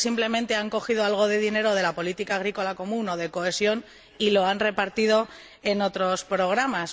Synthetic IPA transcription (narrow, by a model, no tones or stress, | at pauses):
simple̞mẽnt̪e̞aŋko̞xiðo̞alɣ̞o̞ðe̞ðine̞ɾo̞ð̞e̞lapo̞lit̪ikaːɣ̞ɾiko̞lako̞mũno̞ðe̞koe̞sjo̞n | ilo̞anre̞paɾt̪ið̞o̞ | e̞no̞t̪ɾo̞spɾo̞ɣ̞ɾamas